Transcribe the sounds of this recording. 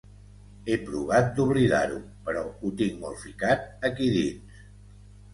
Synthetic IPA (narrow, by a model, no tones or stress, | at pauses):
epɾuβat̪̚d̪uβ̞liða̰ɾu | pəɾɔut̪iŋmolˠfikat̪̚əkiðins